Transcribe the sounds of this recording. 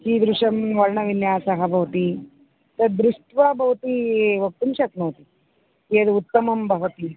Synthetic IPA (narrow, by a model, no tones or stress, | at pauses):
t͡ʃiːd̪ɾuʂɐmʋɐɾɳɐʋinjaːsɐɦɐbʱɐʋɐt̪i | t̪ɐd̪ɾuʂʈʋɐbʱɐʋt̪iʋɐk̚t̪umʃɐk̪noːt̪i | keːd̪ut̪ːɐmɐmbʱɐʋɐt̪i